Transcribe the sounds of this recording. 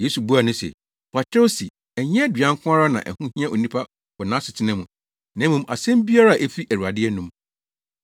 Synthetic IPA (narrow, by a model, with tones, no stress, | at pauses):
je˦su˨bu˦a˨nʊ̃˦sḛ˨ | pa˨t͡ɕʰɪ˦ɾo˦si˨ | ɛ˨ɲɛ̃˦dɥã˦ŋ˦kʰʷʊ̃˦a˦ɾa˦nã̰˨ʔæ̰˨hũ˦hĩ˦ã˦ʔo˨nĩ˦pʰa˦ | kɔ˨nã˦sɪ˨tʰɪ˦nɛ̃˦mũ˨ | nã˨˦mũ˨mʔa̰˨sɛ̃˦m˦bi˦a˦ɾa˦˨ʔe˦fi˦ʔæ˨ɾu˨a˨dɪ˦ɛ˦nũ˦m